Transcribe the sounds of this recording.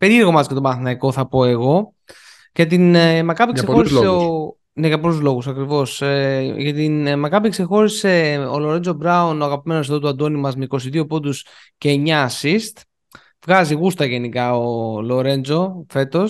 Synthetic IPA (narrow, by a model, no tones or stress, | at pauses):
pe̞ɾieɾɣo̞mɐsket̪o̞mɐθinɐiko̞θɐpo̞e̞ɣo̞ | ʝɐt̪̬inmɐkɐpiksoɾisseo | ne̞ʝɐpoluzlo̞ɣusɐkɾivo̞sʝɐt̪inmɐkɐpikse̞xo̞ɾise̞olo̞ɾe̞nd͡zo̞bɾɐunoɐɣɐpime̞nos̬eðouɐnd̪o̞nimɐzmeiko̞siðio̞po̞d̪us | ceːɲɐsist̪ | vɣɐziɣust̪ɐʝe̞nikɐolo̞ɾe̞nd͡zo̞fe̞t̪o̞s